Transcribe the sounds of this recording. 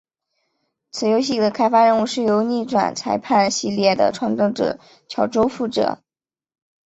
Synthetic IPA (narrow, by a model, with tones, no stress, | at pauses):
t͡sʰɹ̩˨˩jo˧˥ʊɕ̬i˥˩d̪ə˩kʰa˥ɪfa˥ɻə˥˧nu˥˧ʂɻ̩˥˩jo˧˥ʊni˥˩ʈ͡ʂwa̰˨˩nt͡sʰa˧˥ɪpʰa˥˧nɕi˥˧ljɛ˥˩d̪ə̰˩ʈ͡ʂʰwɑ˧˥ŋt̪o˥˩ʈ͡ʂɤ̰˨˩˦ | t͡ɕʰjɑ˧˥ʊʈ͡ʂo˥ʊfu˥˩ʈ͡ʂɤ̰˨˩˦